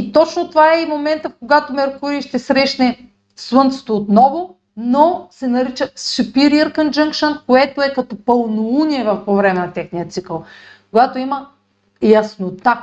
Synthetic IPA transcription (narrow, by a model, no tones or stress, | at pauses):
it̪ɔt͡ʃnot̪ovaɛimomɛnt̪əfkoɡat̪omɛɾkuɾiːʃt̪ɛsɾɛʃnɛ | swɤnt̪so̥t̪oːt̪nɔvo | nosɛnɐɾit͡ʃəsʃupiɾiəɾkənd͡ʒəŋkʃɐnkoɛt̪oɛkɐt̪ɔpəlˠnouniɛvɐfpovɾɛmɛnɐt̪ɛxnijət̪sikəlˠ | koɡat̪oimɐ | jɐsnot̪a